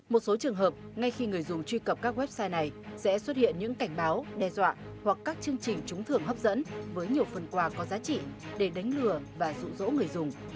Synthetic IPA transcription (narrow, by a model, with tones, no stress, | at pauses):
mo˨˩t̚so˨˦t͡ɕɨ˨˩əŋɦəː˨˩p̚ŋa˧jxi˧ŋɨ˨˩əjzʊ˨˩ŋ͡mt͡ɕwi˧kə˨˩p̚kaː˦˥k̚wɛ˦˥p̚saː˧jna˨˩jsɛ̰˧˥swə˦˥t̚hḭ˧˨ənɲɨ̰˧˥ŋka˧˩jŋ̟ɓaː˨˦wɗɛ˧zwa̰ː˧˨ | hwa˨˩kkːaː˦˥k̚t͡ɕɨ˧əŋt͡ɕï˨˩ŋ̟t͡ɕʊ˨˦ŋ͡mt̪ʰɨ˨˩əŋɦə˦˥p̚zə̰˧˥nvəː˨˦jɲi˨˩əwfə˨˩nkwaː˧˩kɔ˨˦zaː˨˦t͡ɕḭ˧˨ɗe˧˩ɗa˨˦ŋ̟lɨ˨˩əvaː˨˩zṵ˧˨zo̰˧˥ŋɨ˨˩əjzʊ˨˩ŋ͡m